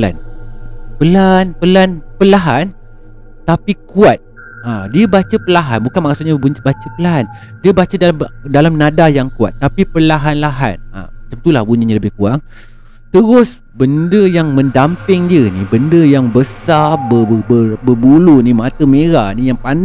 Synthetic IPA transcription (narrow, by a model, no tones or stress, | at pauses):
la̰n | pəlanpəlanpəlaɦan | t̪apikuat̪̚ | adiəbat͡ʃəpəlaɦanbukanmasʊt̪̚ɲaɲbat͡ʃəpəlaɦan | diəbat͡ʃədaldalamnãdajaŋkua̰t̪ːapipəlaɦanlaɦa̰na̰mat͡ʃamt̪ulahbuɲaɲaləbɪhkuaŋ | t̪əɾʊs | bəndəjaŋmə̃ndampɪŋdiənibəndəjaŋbəsabəbəbəbulunimat̪əmeɾahnijaŋpan